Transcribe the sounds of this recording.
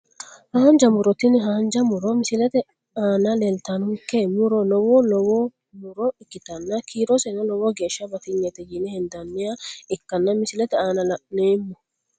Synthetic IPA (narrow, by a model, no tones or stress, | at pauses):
haːnd͡ʒɐmʊɾɔt̪ɪnɪɦaːnd͡ʒɐmʊɾɔmɪsɪlɛt̪ɛ | aːnɐlelt̪anʊkːemːʊɾɔlɔwolɔwo | mʊɾɔɪkːɪt̪ɐnːɐkʰiːɾɔsɛnɐlɔwoɡe̞ːʃːɐbɐt̪ɪɲːɛt̪ɛjɪnɛhɪnd̪ɐnːɪjaɪkːɐnːɐmɪsɪlɛt̪ɛaːnɐlɐʔneːmːʊ̥